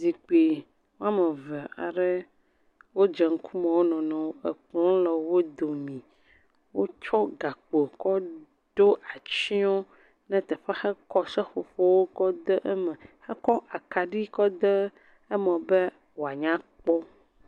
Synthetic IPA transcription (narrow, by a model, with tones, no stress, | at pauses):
zi˨k͡pi˨ | wo˦a˦mɛ̃˨vɛ˨a̰˨ɖɛ˦ | wo˦d͡ʒɛ˨ŋ̩˦kʰu˦mɛ̃˨wo˦nɔ̃˨nɔ̃˨wo˦ɛ˨k͡plɔ̃˦lɛ˨wo˦d̪o˨mĩ˨ | wo˦t͡ʃɔ˦ɡa˨k͡po˨kɔ˦ | ɖo˦ʔa˨t͡ʃi˦ɔ̃˦ | nɛ̃˦t̪ɛ˨ɸɛ˦xɛ˦kɔ˦sɛ˦ɸo˨ɸo˦wo˦kɔ˦d̪ə˦ʔɛ˦mɛ̃˨xɛ˦kɔ˦ʔa˨ka˨ɖi˦kɔ˦d̪ə˦ | ɛ˦mɛ̃˨bɛ˦ | wo˨a˨ɲã˦k͡pɔ˦